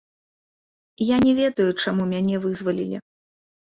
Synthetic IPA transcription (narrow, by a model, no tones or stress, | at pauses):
janʲɛvʲɛd̪ɐjut͡ʂamumʲanʲɛvɨzvɐlʲilʲḭ